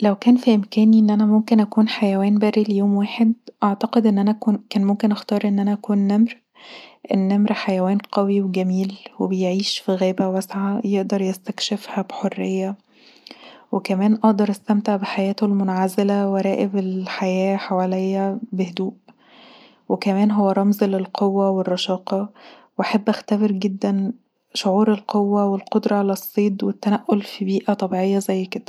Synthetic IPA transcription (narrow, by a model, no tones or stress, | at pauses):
læwkæːnfiʔemkæːniʔenːʔænæmomkenʔækuːnħajæwæːnbæːɾilejoːmwæːħed̪ʔɑʕt̪ɑqed̪ʔenːʔænækunkæːnmomkenʔæxt̪ɑːɾˤʔenːʔænæʔækuːnːæmɾ | ʔenːæmɾħajæwæːnqɑwiweɡæmiːlwebejʕiːʃfiɣæːbæwæsʕajeʔd̪ɑɾˤjæst̪ækʃefhæbħorːejːæ | wekæmæːnʔɑʔd̪ɑɾˤʔæst̪æmt̪eʕbeħajæːt̪olmonʕazelæwæɾˤæːʔebelħajæːħawælejːæbehd̪uːʔ | wekæmæːnɦowːæɾˤɑmzlelqʰowːæwerˤːɑʃɑːqɑ | weʔaħabːʔæxt̪æbeɾɡed̪ːæn | ʃoʕuːɾelqʰowːæwelqod̪ɾˤɑʕalæsˤːiːd̪wet̪ːænæʔːolfibiːʔæt̪ˤɑbiʕejːɑzæjːked̪̥æ